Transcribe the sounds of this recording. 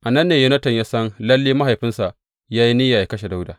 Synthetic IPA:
ʔa˨nɐ˦nːeː˨ju˦nɐ˦tɐ˨ɲjaː˦sɐ˦nlɐ˦lːiː˦ma˦ɦa˨jɸɪ˦nsa˨ʔ | jaː˦ji˦nɪ˦jaː˨ja˦kɐ˦ʃe˨da˦wdaː˨

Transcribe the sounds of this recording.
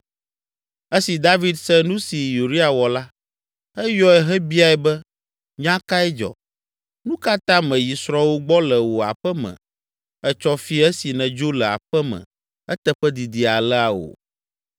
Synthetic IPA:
ɛ˦si˨d̪a˦vi˦d̪sɛ˦nũ˦si˨ju˨ɾi˦a˨wɔ˨la˦ | ɛ˦jɔ˦ɛ˦ɦɛ˦bi˦a˦˨ɛ˨bɛ˦ | ɲã˦ka˦ɛ˦d͡ʒɔ̰˨ | nũ˦ka˦t̪ã˦mɛ̃˨ji˨sɾɔ˦wo˦ɡ͡bɔ˦lɛ˨wo˨a̰˨ɸɛ˦mɛ̰̃˨ | ɛ˦t͡ʃɔ˦fi˦ɛ˦si˨nɛ̃˨d͡ʒo˦lɛ˨a̰˨ɸɛ˦mɛ̰̃˨ | ɛ˦t̪ɛ˦ɸɛ˦d̪i˨d̪i˨a˨lɛ˦a˨wo̰˨

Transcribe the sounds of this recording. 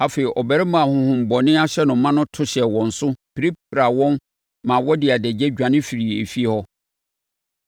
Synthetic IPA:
a˦feː˨i˨ʔɔ˨bæ˨ɾɪ˦mã˨hʊ̃˨hʊ̃˨m̩˨bɔ˨nɪ̃˦a˦ɕɛ˦nʊ̃˨mːã˦nʊ̃˦tʰʊ˦ɕɛ˨wɔ̃˨n̩˨sʊ˦pʰi˨ɾi˦pɾa˨wɔ̃˦n | mã˨wɔ˦dɪ˨a˨dɛ˨d͡ʑɛ˦d͡ʑᶣã˨nɪ̃˦fi˨ɾi˨ḛ˨fi˦e˦hɔ˦

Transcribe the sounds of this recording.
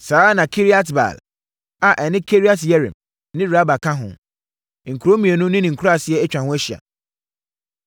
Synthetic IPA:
saː˨˦nã˨kʰi˦ɾi˦a˦tba̰˨l | a˨ʔɛ˨nɪ̃˦kʰe˦ɾi˦a˦tjɛ˦ɾḭ̃˨m | nɪ̃˦ɾa˦ba˨kʰã˦ɦʊ̰̃˨ | ŋ̩˨kʰu˨ɾo˦mĩ˨e˨nʊ̃˦nɪ̃˦nɪ̃˨ŋ̩˨kʰu˦ɾa˦˨sɪ˦ɛ˦ɛ˦t͡ɕᶣã˨hʊ̃˦æ˦ɕi˨a̰˨

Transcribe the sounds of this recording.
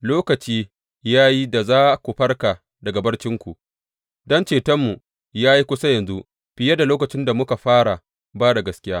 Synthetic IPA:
loː˦kɐ˨t͡ʃiː˦ | jaː˦ji˦da˨zaː˦kʷu˨ɸɐ˦rka˨ | dɐ˨ɡa˨bɐ˦rt͡ʃɪ˦ŋkʷu˨ʔ | dɔ˦nt͡ʃeː˨tɐ˦mːu˨ | jaː˦ji˦kʷʊ˦sa˦jɐ˨nzu˦ʔ | ɸɪ˨ja˦da˨loː˦kɐ˨t͡ʃɪ˦nda˨mʊ˦ka˨ɸaː˦ɽa˨ | baː˦ɽa˨ɡɐ˦skʲɪ˦jaː˦

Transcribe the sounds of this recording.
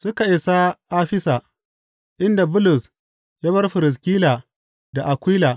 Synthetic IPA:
sʊ˦ka˨ʔɪ˨sa˦ʔaː˦ɸɪ˦saː˨ | ʔɪ˦nda˨bʊ˦lʊ˨s | jaː˦βɐ˦rɸɪ˨ɾɪ˨s̬kʲiː˦laː˨ | da˨ʔa˨kʷiː˦laː˨

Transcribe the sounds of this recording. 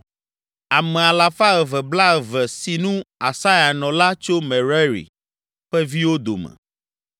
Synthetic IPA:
a˨mɛ˨a˨la˨fa˦ɛ˨vɛ˨bla˦ɛ˨vɛ˨si˨nũ˦a˨sa˦ja˨nɔ̃˨la˦t͡ʃo˦mɛ̃˨ɾɛ˦ɾḭ˨ | ɸɛ˦vi˦wo˦d̪o̰˨mɛ̰̃˨

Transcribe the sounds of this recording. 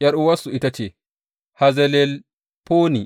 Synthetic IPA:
ʔjɐ˦ɾʔuwa˦sui˦tat͡ʃɛ˨ | hazɛlɛl | poː˦ni˨

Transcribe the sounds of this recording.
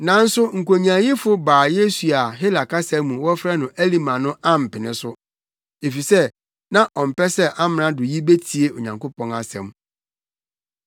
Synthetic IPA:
nã˨n̩˦sʊ˦ŋ̩˨kʰo˨ɲ˨ã˨jɪ˦fʊ˦baː˨je˦su˨a˨ɦɪ˦la˨kʰa˦sɛ˦mũ˨wɔ˦fɾɛ˦nʊ̃˨ʔæ˦li˦mã˨nʊ̃˦a˦m̩˨pɪ˨nɪ̰̃˦sʊ˦ | e˨fi˨sɛ˦ | nã˦ʔɔ̃˨m̩˨pɛ˦sɛ˦ʔa˦mɪ̃˨nã˦dʊ˨ji˦be˦tʰi˨e˨o˨ɲã˨ŋko˦pɔ̃˨na˨sɛ̰̃˨m

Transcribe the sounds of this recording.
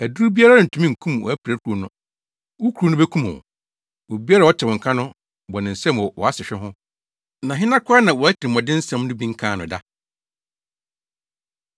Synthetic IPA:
æ˨du˦ɾu˦bi˦a˦ɾa˦˨n̩˨tʰũ˦mĩ˦˨ŋ̩˨kʰũ˦m˨ɔ̰˨æ˦pʰæ˦kʰu˨˦o˨nʊ̃˦ | wo˦kʰɾu˨nʊ̃˦be˦kʰũ˦m̰̃˨ | wo˨bi˦a˦ɾa˦˨wɔ˦t͡ɕʰɪ˨wɔ̃˨ŋ̩˨kʰã˦nʊ̃˦ | bɔ˨nɪ̃˨n̩˨sɛ̃˦mwɔ˨wɔ˨a˦sɪ˨ɕᶣɛ˦ɦʊ̃˦ | nã˨ɦɪ˦nã˦kʰʊ˦a˦nã˨wɔ˨æ˦tʰɪ˨ɪ˨mɔ̃˨dɪ̃˦n̩˦sɛ̃˦m˦nʊ̃˦bĩ˦ŋ̩˦kʰãː˦˨nʊ̃˨da˦

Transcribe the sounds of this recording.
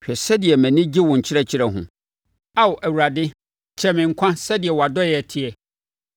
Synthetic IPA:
ɕᶣɛ˨sɛ˦dɪ˨ɛ˨mæ̃˨nɪ̃˦d͡ʑi˦wɔ̃˨ɲ̩˨t͡ɕʰɪ˦ɾɛ˦t͡ɕʰɪ˦ɾɛ˦ɦʊ̰̃˨ | a˦wʊ˨ʔæ˨wu˨ɾa˨dɪ˦ | t͡ɕʰɛ˦˨mɪ̃˨ŋ̩˨kʷʰã˦sɛ˦dɪ˨ɛ˨wɔ˨a˨dɔ˦jɛ˨tʰɪ˨ɛ˨

